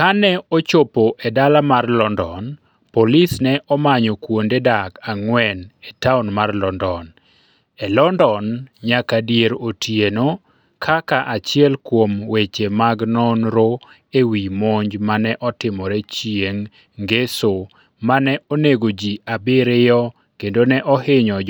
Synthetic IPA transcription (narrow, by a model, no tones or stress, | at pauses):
kanɛɔt͡ʃopoʔɛdalamarlɔndɔn | polisnɛʔɔmaɲɔkwondedakaŋwɛnetaɔnmarlɔndɔn | ɛlɔndɔnɲakadijeɾotʰjeno | kʰakaʔat͡ʃɪɛlkwomwet͡ʃemaɡnɔnɾo | ewimoɲd͡ʒmanɛʔɔtɪmɔɾɛt͡ʃjeŋ | ɡeso | manɛoneɡod͡ʒiabɪɾɪjɔ | kendonɛʔɔɦɪɲɔ